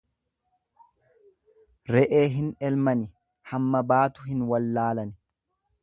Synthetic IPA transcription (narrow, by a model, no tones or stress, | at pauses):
ɾɛʔe̞ːɦɪnɛlmɐnɪ | hɐmːɐbaːt̪ʊɦɪnwɐlːaːlɐnɪ